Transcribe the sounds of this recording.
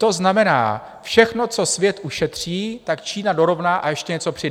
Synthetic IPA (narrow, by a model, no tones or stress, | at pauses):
t̪o̞znamɛna̰ː | fʃɛxno̞t͡so̞svjɛt̪ʔuʃɛt̪r̝̥iːt̪akt͡ʃiːnado̞ɾo̞vnaːʔa̰jɛʃcɛɲɛt͡so̞pr̥ɪd